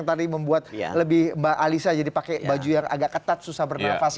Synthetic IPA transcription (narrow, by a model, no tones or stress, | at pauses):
ŋt̪adiməmbuat̪̚ləbɪhmbaʔalisad͡ʒadipakɛbad͡ʒujaŋa̰ɡaʔkːət̪at̪̚susahbərnafas